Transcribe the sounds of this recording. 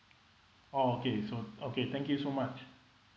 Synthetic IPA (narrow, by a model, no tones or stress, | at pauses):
ookʰesoʔokʰet̪ʰɛ̃ŋkjusomat͡ʃ